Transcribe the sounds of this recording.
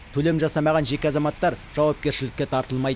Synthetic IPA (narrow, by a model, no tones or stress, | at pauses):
t̪ʰɵlemʒɑsɑmɑʁɑnʒe̞kʲeɑzɑmɑt̪ːɑɾʒ̥ɑwɑp̚kʲe̞ɾʃɪlɪkʲːe̞t̪ʰɑɾt̪əlˠmɑjd̪